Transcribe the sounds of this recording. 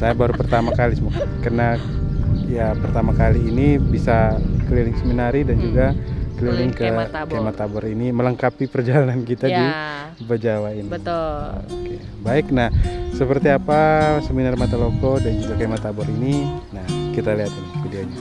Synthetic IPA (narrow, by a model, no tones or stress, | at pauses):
sajabaɾupərt̪amakalisəmakakarna | japərt̪amakaliːnibisakəlilɪŋsəminaɾidand͡ʒuɡakəlilɪŋkəkajmat̪abɔɾinimələŋkapipərd͡ʒalanankit̪adi | bəd͡ʒawaini | oke | baɪknahsəpərt̪iapasəminarmat̪alokodand͡ʒuɡakaimat̪abɔɾininahkit̪aliɦat̪inkudiad͡ʒa